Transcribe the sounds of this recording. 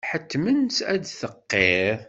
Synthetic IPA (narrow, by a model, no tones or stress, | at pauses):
ħət̪ːmənsæd̪θəqːe